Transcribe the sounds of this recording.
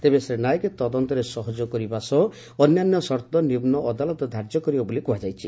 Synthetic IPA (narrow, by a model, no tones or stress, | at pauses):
t̪ebesɾenajɔket̪ɔd̪ɔnt̪ɔɾesɔɦɔd͡ʒɔkɔɾibasɔ | ɔnjanjɔsɔɾt̪ɔnibnɔʔɔd̪alɔt̪ɔd̪ʱaɾd͡ʒjɔkɔɾibabɔlikuɦad͡ʒajt͡ʃʰi